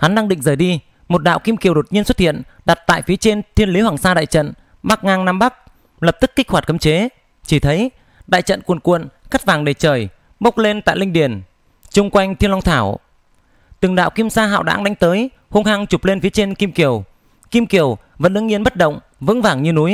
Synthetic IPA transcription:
ha˨˦nɗa˧ŋɗḭ˧˨ŋ̟zəː˨˩jɗi˧ | mo˨˩t̚ɗa̰ː˧˨wki˧mki˨˩əwɗo˨˩t̚ɲi˧ənswt̚hḭ˧˨ən | ɗa˨˩t̚t̪a̰ː˧˨jfi˨˦t͡ɕe˧nt̪ʰi˧ənli˨˦hwaː˨˩ŋsaː˧ɗa̰ː˧˨jt͡ɕə̰˧˨n | ɓa˦˥k̚ŋaː˧ŋnaː˧mɓa˦˥k̚ | lə˨˩p̚t̪ɨ˦˥kːi˦˥k̚hwaː˨˩t̚kə˨˧˦mt͡ɕe˨˦ | t͡ɕi˧˩t̪ʰə˨˦j | ɗa̰ː˧˨jt͡ɕə̰˧˨nkwu˨˩nkwə̰˧˨nxa˦˥t̚vaː˨˩ŋɗe˧˨˩t͡ɕəː˨˩j | ɓə˦˥k͡p̚le˧nt̪a̰ː˧˨jlï˧ŋ̟ɗi˨˧˩ən | t͡ɕʊ˧ŋ͡mkwa˧jŋ̟t̪ʰi˧ənla˧ŋ͡mt̪ʰaː˧˩w | t̪ɨ˨˩ŋɗa̰ː˧˨wki˧msaː˧ɦa̰ː˧˨wɗa̰ː˧˥ŋɗa˨˦jŋ̟t̪əː˨˦j | ho˧nhaː˧ŋt͡ɕu˨˩p̚le˧nfi˨˦t͡ɕe˧nki˧mki˨˩əw | ki˧mki˨˩əw | və̰˧˥nɗɨ˧ŋɲi˧ənɓə˦˥t̚ɗə̰˧˨wŋ͡m | vɨ̰˧˥nvaː˨˩ŋɲɨ˧nu˨˦j

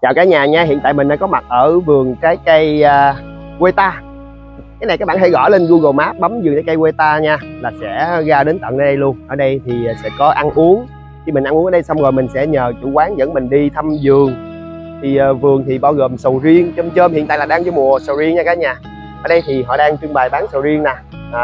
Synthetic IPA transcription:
t͡ɕaː˨˩wkaː˨˦jɲaː˨˩ɲaː˧ɦḭ˧˨nt̪a̰ː˧˨jmï˨˩ŋɗa̰˧˦kɔ˨˦ma˨˩t̚ʔəː˧˩vɨ˨˩əŋkaː˨˦jkə˧jəː˧ | ɣwe˧t̪aː˧ | kaː˨˦jna˨˩jkaː˦˥ɓaː˧˨nhe˧˥ɣɔ̰˧˩˦le˧nɣu˧ɣə˨˩maː˦˥p̚ɓa˨˦mzɨ˨˩ŋkaː˨˦ka˧jwe˧t̪aː˧ɲaː˧laː˨˩sɛ̰˧˥ɣaː˧ɗe˨˦nt̪ə̰˧˨nʔəː˧˦ɗə˧jlu˧əŋʔəː˧˩ɗə˧jt̪ʰi˨˩˨sɛ̰˧˥kɔ˨˦ʔa˧nʔu˨˦əŋ | xi˧mï˨˩ŋ̟ʔa˧ŋʔʔːɗjsa˧wŋ͡mɣo˨˩mï˨˩ŋ̟sɛ̰˧˥ɲəː˨˩t͡ɕṵ˧˩˦kwaː˨˦ŋzə̰˧˥ŋmï˨˩ŋ̟ɗi˧t̪ʰa˧mzɨ˨˩əŋ | t̪ʰi˨˩˨vɨ˨˩əŋt̪ʰi˨˩ɓaː˧wɣoː˨˩msə˨˩wzi˧əŋt͡ɕɔ˧mt͡ɕəː˧mhḭ˧˨nt̪aː˧˨laː˨˩ɗaː˧ŋt͡ɕɔ˧jmu˨˩əsə˨˩wzi˧əŋɲaː˧kaː˨˦jɲaː˨˩ | ʔəː˧˩ɗə˧jt̪ʰi˨˩ɦɔ̰˧˨ɗaː˧ŋt͡ɕɨ˧nɓaː˨˩jɓaː˨˦nsə˨˩wzi˧əŋnaː˨˩˨

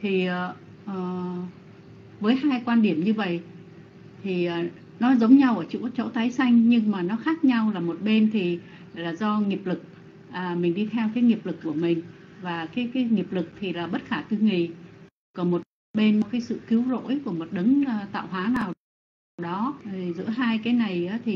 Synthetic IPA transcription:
t̪ʰi˨˩ʔəː˨˩ | ʔəː˨˩ | vəː˨˦jhaː˧jkwaː˧nɗi˧˩əmɲɨ˧və̰˧˨j | t̪ʰi˨˩ʔː | nɔ˨˦zə˨˦wŋ͡mɲa˧wʔəː˧˩t͡ɕṵ˧˥t͡ɕo̰˧˥wt̪aː˨˦jsa˧jŋ̟ɲɨ˧ŋmaː˨˩nɔ˨˦xaː˦˥k̚ɲa˧wlaː˨˩mo˨˩t̚ɓe˧nt̪ʰi˨˩ | laː˨˩zɔ˧ŋi˨˩əp̚lɨ˨˩k̚ | ʔəː˨˩mï˨˩ŋ̟ɗi˧t̪ʰɛ˧wkaː˨˦jŋi˨˩əp̚lɨ˨˩kːu˧˩əmï˨˩ŋ̟vaː˨˩kaː˨˦jkaː˨˦jŋi˨˩əp̚lɨ˨˩k̚t̪ʰi˨˩laː˨˩ɓə˦˥t̚xaː˧˩t̪ɨ˧ŋi˨˩ | kɔ˧˩mo˨˩t̚ | ɓe˧n˧˨kaː˨˦jsɨ̰˧˨ki˨˦wzo̰˧˥jku˧˩əmo˨˩t̚ɗə˨˦ŋː˧t̪a̰ː˧˨wɦwaː˨˦naː˨˩w | ɗɔ˨˦˨zɨ̰˧˥əɦaː˧jkaː˨˦jna˨˩jʔaː˨˦t̪ʰi˨˩

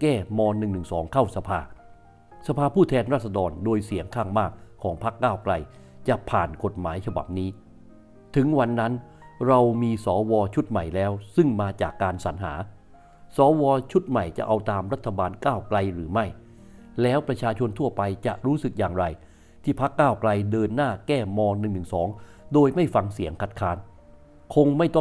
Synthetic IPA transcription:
kɛː˥˩mɔː˧nːɯ˨˩ŋnɯ˨˩ŋsɔː˩˦ŋkʰa˥˩wsa˧pʰaː˧ | sa˧pʰaː˧pʰuː˥˩t̪ʰɛː˧nɾaː˥˩t̪̚sa˧dɔː˧ndoː˧jsi˨˩˦əŋkʰaː˥˩ŋmaː˥˩kʰːɔː˩˦ŋpʰa˦˥kːaː˥˩wkla˧j | t͡ɕa˨˩ʔpʰaː˨˩nko˨˩t̪̚maː˩˦jt͡ɕʰa˧ba̰˨˩p̚niː˦˥ | t̪ʰɯ˩˦ŋwa˧nːa˦˥n | ɾa˧wmiː˧sɔː˩˦wɔː˧t͡ɕʰu˦˥t̪̚ma˨˩jlɛː˦˥wsɯ˥˩ŋmaː˧t͡ɕaː˨˩kːaː˧nsa˩˦nɦa̰ː˩˦ | sɔː˩˦wɔː˧t͡ɕʰu˦˥t̪̚ma˨˩jt͡ɕa̰˨˩ʔa˧wt̪aː˧mɾa˦˥t̪ʰːa˧baː˧nkaː˥˩wkla˧jɾɯː˩˦ma˥˩j | lɛː˦˥wpɾa˧t͡ɕʰaː˧t͡ɕʰo˧nt̪ʰu˥˩ɐpa˧jt͡ɕa̰˨˩ʔɾuː˦˥sɯ˨˩k̚jaː˨˩ŋɾa˧j | t̪ʰiː˥˩pʰa˦˥kːaː˥˩wkla˧jdɤː˧nːaː˥˩kɛː˥˩mɔː˧ŋnɯ˨˩ŋnɯ˨˩ŋsɔː˩˦ŋ | doː˧jma˥˩jfa˧ŋsi˩˦əŋkʰa˨˩t̪̚kʰaː˦˥n | kʰo˧ŋma˥˩jt̪ɔ˥˩

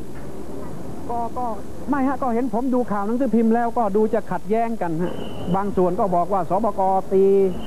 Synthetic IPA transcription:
kɔː˧˩kɔː˧˩ | ma˧˥˩jha˧ʔkɔː˧˩he˨˦npʰo˨˦mduː˧kʰaː˨˩wna˧˥ŋsʰɯː˧˥˩pʰi˧mlɛː˦˥˩wkɔː˧˩duː˧t͡ɕa˨˧˩kʰa˨˩t̪̚jɛː˦˥˩ŋka˧nha̰˧˥ʔ | baː˧ŋsu˨˩ənkɔː˧˩bɔː˨˩k̚waː˧˩sɔː˨˦pɔː˧kɔː˧t̪iː˧

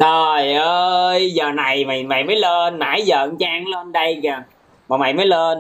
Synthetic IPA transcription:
ɗə˨˩jʔəː˧jzəː˨˩na˨˩jma˨˩jma̰˧˨jməː˨˦jlə˧nma̰ː˧˥˦jzə̰ː˨˧˨ŋt͡ɕaː˧ŋlə˧nɗə˧jkaː˨˩ | maː˨˩ma̰˧˨jməː˨˦jlə˧n

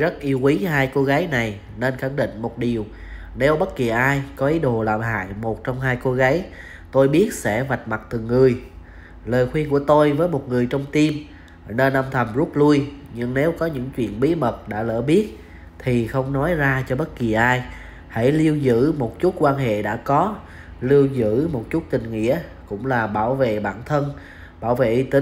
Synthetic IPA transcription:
zə˦˥t̚ʔi˧əwkwi˨˦haː˧jko˧ɣaː˨˦jna˨˩j | ne˧nxa˧˩ŋɗḭ̈˧˨ŋ̟mo˨˩t̚ɗi˨˩əw | ne˨˦wɓə˦˥t̚ki˨˩ʔaː˧jkɔ˨˦ʔi˨˦ɗo˨˩laː˨˩mɦa̰ː˧˨jmo˨˩t̚t͡ɕɔ˧wŋ͡mɦaː˧jko˧ɣaː˨˦j | t̪o˧jɓi˦˥ət̚sɛ̰˧˥va˨˩jt̚ma˨˩t̚t̪ɨ˨˩ŋːɨ˨˩əj | ləː˨˩jxwi˧ənku˧˩ət̪o˧jvəː˨˦jmo˨˩t̚ŋɨ˨˩əjt͡ɕɔ˧wŋ͡mt̪i˧m | ne˧nʔə˧mt̪ʰə˨˩mzu˦˥t̚lu˧əjɲɨ˧ŋne˨˦wkɔ˨˦ɲɨ̰˧˥ŋt͡ɕwḭ˧˨ənɓi˨˦mə˨˩t̚ɗa̰ː˧˥lə̰ː˧˩ɓi˦˥ət̚ | t̪ʰi˨˩xə˧wŋ͡mnɔ˨˦jzaː˧t͡ɕɔ˧ɓə˦˥t̚ki˨˩əʔaː˧j | ha̰˧˩jli˧əwzɨ̰˧˥mo˨˩t̚t͡ɕu˦˥t̚kwaː˧nɦḛ˧˨ɗa̰ː˧˥kɔ˨˦ | li˧əwzɨ̰˧˥mo˨˩t̚t͡ɕu˦˥t̚t̪ï˨˩ŋ̟ŋḭ˧˥ə | kʊ̰˧˥ŋ͡mlaː˨˩ɓaː˧˩wvḛ˧˨ɓa̰ː˧˩nt̪ʰə˧n | ɓaː˧˩wvḛ˧˨ʔi˧t̪ï˨˦

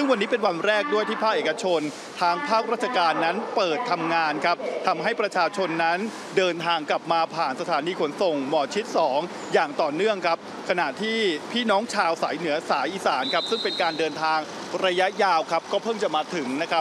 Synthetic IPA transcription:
sɯ˥˩ŋwa˧nːiː˦˥pe˧nwa˧nɾɛː˥˩k̚du˥˩əjt̪ʰiː˥˩pʰaː˥˩k̚ʔeː˨˩ka˧t͡ɕʰo˧n | t̪ʰaː˧ŋpʰaː˥˩k̚ɾaː˥˩t̪̚ʰa˧kaː˧nːa˦˥npɤː˨˩t̪ʰːa˧mŋaː˧nkʰa˦˥p̚t̪ʰa˧mɦa˥˩jpɾa˧t͡ɕʰaː˧t͡ɕʰo˧nːa˦˥n | dɤː˧nt̪ʰaː˧ŋkla˨˩p̚maː˧pʰaː˨˩nsa˧aː˩˦niː˧kʰo˩˦nso˨˩ŋmɔː˨˩t͡ɕʰi˦˥t̪̚sɔː˩˦ŋ | jaː˨˩ŋt̪ɔː˨˩nɯ˥˩əŋkʰa˦˥p̚ | kʰa˧na˨˩ʔt̪ʰiː˥˩pʰiː˥˩nɔː˦˥ŋt͡ɕʰaː˧wsaː˩˦jnɯ˩˦ɐsaː˩˦nʔiː˨˩saː˩˦nkʰa˦˥p̚sɯ˥˩ŋpe˧nkaː˧ndɤː˧nt̪ʰaː˧ŋ | ɾa˧ja˦˥jaː˧wkʰa˦˥p̚kɔː˥˩pʰɤː˥˩mt͡ɕa˨˩maː˧t̪ʰɯ˩˦ŋna˦˥kʰa˦˥p̚

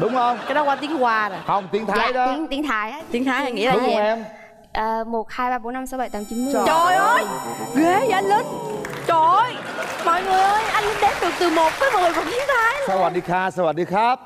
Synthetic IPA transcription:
ɗʊ˨˦wŋ͡mhə˧wŋ͡mkaː˨˦jɗɔ˨˦kwaː˧t̪i˨˦ŋkwaː˧zɔ˨˩jhə˨˩wŋ͡mt̪i˨˦əŋt̪ʰa˨˦jə˧˨˦əŋt̪i˨˧əŋt̪ʰaː˨˩˦jʔaː˨˦t̪i˨˦əŋt̪ʰaː˨˦ʔa˧ŋḭ˧˥˦aː˨ɗʊ˦˩˦ɛ˧m | ʔəː˨˩mo˨˩t̚haː˧jɓaː˧ɓo˨˦˥nːa˧msɔ˨˦ɓa˧˨jt̪aː˨˦mt͡ɕi˨˦nm˧˦˨t͡ɕɔ˨˩jʔəː˧jɣe˨˦˧ʔa˧jŋlə˨˧˦nt͡ɕo˧˩jmɔ̰˧˨jŋɨ˨˩əə˧jʔa˧jlə˧˦nɗe˨˦p̚ɗɨ˨˩ək̚t̪ɨ˨˩mo˨˩t̚vəː˨˦jmɔ̰˨˩fə˨˩ŋ͡mt̪i˨˦əŋt̪ʰaː˨˧˦jsa˧waː˨˩ɗi˧xaː˧saː˧waː˨˩ɗi˧xaː˦˥p̚

